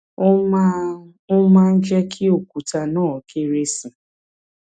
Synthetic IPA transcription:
ʊ˦ma˦n̩˦d͡ʒɛ˦kʰɪ˦o˨kʷu˨ta˨nɔː˦˨ke˦ɾe˦si˨

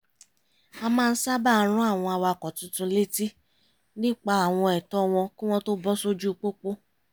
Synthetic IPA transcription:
a˧mãː˦˧n̩˦sa˦ba˦˨˧ɾ̃ũ˦a˦˨w̃ɔ̃˧a˧wa˧˨kɔ˨tũ˨˦tũ˧le˦ti˦ | nĩ˦k͡pa˧a˨w̃ɔ̃˧ɛ˨tɔ˧w̃ɔ̃˧kĩ˦w̃ɔ̃˦to˦bɔ˦so˦d͡ʒu˦˧k͡po˦k͡po˦

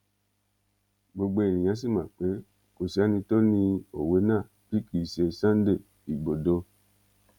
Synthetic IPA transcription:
ɡ͡bo˧ɡ͡bo˧e˨nĩ˨j̃ã˨˦s̬i˦˨mã˨k͡pe˨˦ | ko˨si˨˦a˨˦nĩ˧to˦nĩ˧o˨we˨˦nãː˦˨pi˦ki˦˨se˧˨sã˦n˦de˦˨ | i˨ɡ͡bo˨do˧

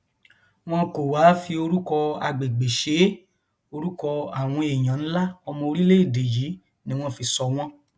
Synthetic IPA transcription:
w̃ɔ̃˦ko˨wa˨˦fi˧o˧ɾu˦kɔ˧a̰˧˨ɡ͡be˨ɡ͡be˨ʃe˨˦ | o˧ɾu˦kɔ˧a˨w̃ɔ̃˧e˨j̃ã˨ñ̩˦la˦ɔ˧mɔ̃˧o˧ɾi˦le˦i˦˨de˨ji˨˦ | nĩ˦w̃ɔ̃˦˨fi˧sɔ˧w̃ɔ̃˦

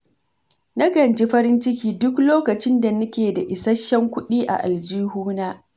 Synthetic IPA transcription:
na˦ɡɐ˨nt͡ʃi˦ɸɐ˦ɾɪ˦nt͡ʃɪ˦kʲiː˦dʊ˦kloː˦kɐ˨t͡ʃɪ˦nda˨nʊ˦kʲeː˨da˨ʔɪ˨sɐ˦ʃːɐ˦ŋkʷʊ˦ɗiː˦ʔa̰˨ʔa̰˨ld͡ʒiː˦huː˦naː˦

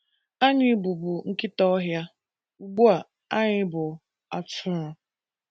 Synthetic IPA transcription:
a˦ɲɪ˦bu˨bʊ˨ŋ̩˦kɪ˦tɔ˦ɦja˦ | u˨ɡ͡bu˦a˨ | a˦ɲɪ˦bʊ˨ | a̰˨tʊ˦ɾɔ˨

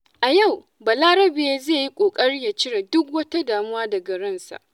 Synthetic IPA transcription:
ʔa˨ja˦˨w | bɐ˨laː˦ɾɐ˦beː˦zeː˦˨ji˦kʷʼoː˨kʼɐ˦ɽi˦ja˨t͡ʃɪ˦ɽa˨dʊ˦kwɐ˦ta˦daː˨mʊ˦waː˦dɐ˨ɡɐ˨ɽɐ˦nsa̰˨ʔ

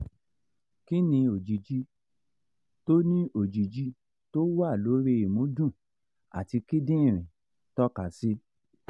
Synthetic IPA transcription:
ki˦nĩ˧o˨d͡ʒi˨d͡ʒi˧˦ | to˦nĩ˦o˦˨d͡ʒi˨d͡ʒi˧˦ | to˦wa˦˨lo˨˦ɾe˦˧˦i˨mũ˨˦dũ˦˨ | a̰˨ti˧ki˦dĩ˦ĩ˦˨ɾ̃ĩ˨ | tɔ˦ka˨si˦

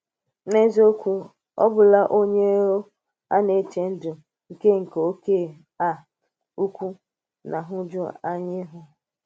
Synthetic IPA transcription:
ne˦zo˦kʷu˦ | ɔ̰˦bʊ˨la˦ʔo˦ɲe˦ɾo˦ | a̰˦ne˨t͡ʃe˨n̩˦dʊ˨ | ŋ̩˨ke˦ŋ̩˨ke˨o˦ke˦˨ | a˦˨ | u˦kʷu˦ | na˨ɦʊ˦d͡ʒʊ˦a˦ɲɪ˦ɦʊ˨

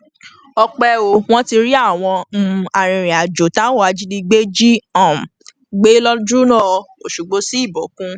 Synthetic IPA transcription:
ɔ˧k͡pɛ˧o˨w̃ɔ̃˦ti˧ɾi˦a˦˨w̃ɔ̃˧m̩˦˧a˨ɾ̃ĩ˨˧ɾ̃ĩ˨a˨d͡ʒo˨ta˦wo˦a˧d͡ʒi˦di˧ɡ͡be˦d͡ʒi˦ã˦˨ | ɡ͡be˦lɔ˦dɾu˦nã˦˨˧o˨ʃu˨ɡ͡bo˦si˦i˦˨bɔ˨˦kũ˦

